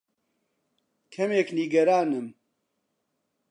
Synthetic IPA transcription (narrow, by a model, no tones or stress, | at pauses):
kʰɐmeːkniːɡɐɾaːnɨm